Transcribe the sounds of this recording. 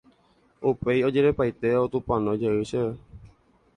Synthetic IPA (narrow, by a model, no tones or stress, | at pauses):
upeiod͡ʒeɾepajt̪eot̪ũpãnõd͡ʒəɨʃee